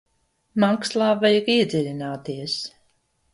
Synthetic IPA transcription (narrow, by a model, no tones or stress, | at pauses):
makslˠaːvajakiɛd̪zʲiɾʲinaːt̪iɛs